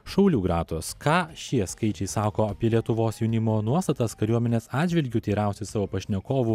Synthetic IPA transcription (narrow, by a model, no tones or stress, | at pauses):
ʃɐʊlʲuːɡɾɑːt̪oskɑːʃʲiɛskɐɪt͡ʃʲɛɪsɑːkoːɐpʲiɛlʲiɛt̪ʊʋoːsjʊnʲɪmoːnuɔst̪ɐt̪ɐskɐɾʲuɔmʲɛnʲeːsɑːd̪ʲd͡ʒʲʋʲɪlʲɡʲʊt̪ʲiːɾɛˑʊsʲɪsɑːʋoːpɐʃʲnʲɛkoːʋu